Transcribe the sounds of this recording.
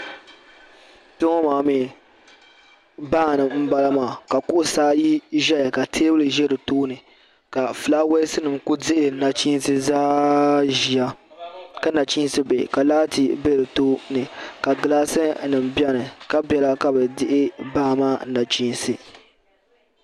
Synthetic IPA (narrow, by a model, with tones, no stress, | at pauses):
to˦ŋɔ˦maː˨me˨ | baː˦˨nɨ˨m̩˦ba˦la˦maː˨ka˨kʊ˦ʔʊ˨saː˦ji˦ʒɛ˦ja˨ka˨tʰeː˦bɨ˦lɨ˨ʒɛ˦ɾɨ˨toː˦nɨ˨ | ka˨fɨ˨laː˦we˦sɨ˦nɨ˨mku˦dɪ˦ʔɪ˨ɨ˨na˨t͡ʃi˦n˦sɨ˦zaː˦ʒi˨a˦ka˦na˨t͡ʃi˦n˦sɨ˦bḛ˨ka˨laː˦ti˨be˦ɾɨ˨toː˦nɨ˨ka˨ɡɨ˨laː˦sɨ˦nɨ˨m˨bjɛ˦nɨ˨ka˦bjɛ˨la˦ka˨bɛ˨dɪ˦ʔɪ˦baː˦˨maː˦na˨t͡ʃi˦n˦sɨ˦